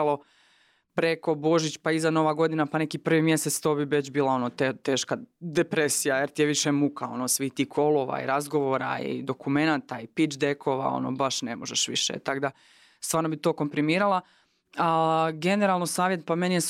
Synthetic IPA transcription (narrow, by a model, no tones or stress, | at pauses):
lo̞ | pɾe̞ko̞bo̞ʒit͡ɕpaizano̞ʋaːɡo̞d̪inapane̞kipr̩ʋimje̞set̪st̪o̞ːbiʋe̞t͡ɕbiːlˠao̞not̪et̪e̞ːʃkad̪epɾesijajeɾt̪ijeʋiʃemukao̞̰nosʋiht̪iːhkʰo̞lˠo̞ʋa̰ḭɾazɡo̞ʋo̞ɾa̰ḭd̪o̞kume̞nat̪aipit͡ʃd̪ekʰo̞ːʋa̰o̰no̰baʃne̞moʒeʃʋḭʃḛt̪aɡd̪a | st̪ʋaːɾno̞bit̪o̞ːko̞mpɾimiːɾalˠa | aɡe̞neɾalˠnosaːʋje̞t̪̚pame̞nijes